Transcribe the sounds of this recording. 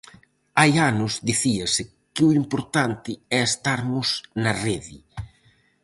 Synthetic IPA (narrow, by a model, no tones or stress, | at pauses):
ajanʊzd̪iθiɐsɪ | kɪʊimpoɾt̪ant̪ɪɛest̪aɾmʊsnɐreðɪ̰